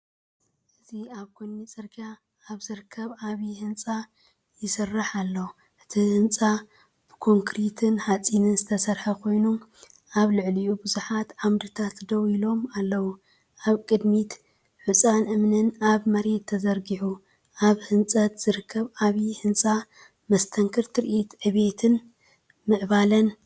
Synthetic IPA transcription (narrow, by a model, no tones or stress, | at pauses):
ʔɨziaβkʰonːit͡sʼɨɾɡaː | βzɨɾɨkʰːɐβaβihɨnt͡sʼa | jɪsɨrːaħalːɐw | ʔɨt̪ʰihɨnt͡sʼa | b̥ɨkʰo̞ŋkɾit̪ʰɨnhat͡sʼinɨnzɨt̪ʰɐsɐɾħɐkʰo̞jnu | ʔaβlɨʕliʔubɨzuħat̪ʕamɾɨt̪ʰat̪d̪ɐwilo̞malːɐwu | ʔaβkʼɨd̪mit̪ | ħut͡sʼanɨmnɨnaβmɐɾe̞t̪ʰːɐzɐɾɡiʕu | ʔaβhɨnt͡sʼɐt̪z̥ɨɾɨkʰːɐβaβihɨnt͡sʼa | mɐst̪ʰɐŋkʰɨɾt̪ʰɾʔit̪ʕɨβe̞t̪ʰɨn | mɨʕβalɐn